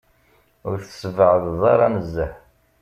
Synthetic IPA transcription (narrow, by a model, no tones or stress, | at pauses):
ʊɾθə̥svəʕəððˤɑɾˤɑnəzːəħ